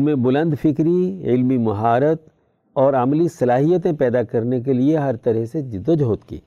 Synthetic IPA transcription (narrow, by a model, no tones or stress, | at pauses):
mẽbʊlə̃nd̪fɪkɾiɪ̰lmimɐɦaːɾət̪ | ɔːɾɐmlisɐlaːɦijət̪ẽpɛːd̪akɐɾnek̬elieɦɐɾt̪ɐɾɛɦsed͡ʒd̪əd͡ʒɦoːt̪kḭː